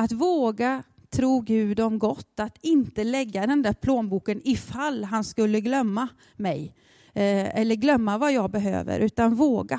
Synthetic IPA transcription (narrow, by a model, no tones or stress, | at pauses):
at̪voːɡa | t̪ʰɾuːɡʉ̟ːd̪ɔmɡɔt̪ːat̪ɪnt̪əlɛɡːad̪ɛnd̪æɾpʰloːnbuːkənɪfalːɦanskɵlːəɡlœmːa | mɛj | ɛlːəɾɡlœmːavajɑːɡ̚bɛɦø̰ːvə̰ɾʔʉ̟ːt̪anvoːɡa